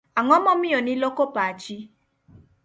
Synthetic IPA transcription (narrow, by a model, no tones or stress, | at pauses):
aŋɔ̃mɔ̃mĩonĩlokopaad͡ʒi